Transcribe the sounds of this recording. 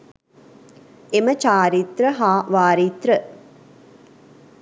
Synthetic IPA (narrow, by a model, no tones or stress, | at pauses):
emət͡ʃaːɾit̪ɾəɦaːʋaːɾit̪ɾə